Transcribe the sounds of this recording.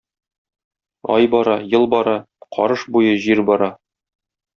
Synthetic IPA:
ɒ̰jbɒɾɑjɤlˠbɒɾɑ | qʰɒ̰ɾɤʃbujɤʑiɾbɒɾɑ

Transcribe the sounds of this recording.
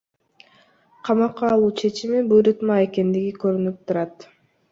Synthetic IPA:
qʰɑmɑqːɑːlˠuːt͡ʃʰe̞t͡ʃimibuɾut̪mɑe̞ke̞nd̪iɡikøɾynyp̚t̪ʰuɾɑt̪

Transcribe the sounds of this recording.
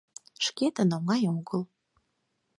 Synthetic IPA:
ʃket̪ə̆noŋɑjoɣəl

